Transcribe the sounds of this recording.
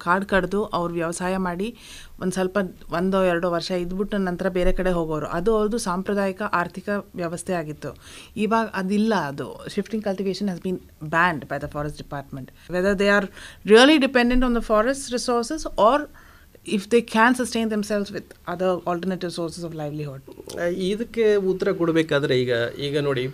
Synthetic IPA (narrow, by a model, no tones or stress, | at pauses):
kaːɾɖkɐɽd̪uʔɐʋɐɾuʋjɐʋɐsaːjɐmaːɽi | ʔo̰nd̪usɐlpɐʋɐnd̪oɛɾɐɽoʋɐɾʂɐid̪biʈːunɐnt̪ɐɾɐbeːɾekɐɽeɦoːɡoːʋɐɾṵʔɐd̪uɐʋɾd̪usaːmpɾɐd̪aːjikɐʔaːɾt̪ʰikɐʋjɐʋɐst̪ʰɛaːɡit̪ːuiːʋaːɡɐʔɐd̪ilːɐːd̪ṵʃifʈĩŋkɐlʈiʋeːʃɐnɦɛzbiːn | bæːɳɖbɐjd̪ɐfɔːɾɐsʈ̚ɖipaːɾʈmẽɳʈʋɛd̪ɐɾd̪eaːɾɾiɐliɖipẽɳɖẽɳʈɔ̃ːnd̪ɐfɔːɾesʈɾisoːɾsesɔːɾ | ifd̪eːkʰæːnsɐsʈẽːnd̪emselsʋɪd̪ɐd̪ɐɾɐlʈəɾneʈiʋsoːɾsesɔːʋlajʋliɦoːɖid̪ɐkːeut̪ːɐɾɐkɔɽubeːkaːd̪ɐɾeiːɡɐiːɡɐnoːɽi